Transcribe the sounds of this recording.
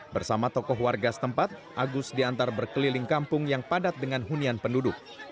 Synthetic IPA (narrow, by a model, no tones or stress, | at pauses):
bərsamat̪ɔkɔɦwarɡasə̥t̪əmpat̪̚ʔaɡʊsdiant̪arbərkəlilɪŋkampʊŋjaŋpadat̪̚dəŋanɦunianpəndudʊk̚